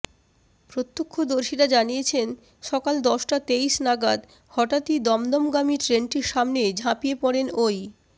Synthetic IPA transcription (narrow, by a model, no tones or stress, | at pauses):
pɾot̪ːokʰːod̪oɾʃiɾad͡ʑanijet͡ɕʰen | ʃɔkald̪ɔʃʈat̪ejʃnaɡad̪ | hɔʈat̪id̪ɔmd̪ɔmɡamiʈɾenʈiɾʃamned͡ʑʱapijepɔɽenoj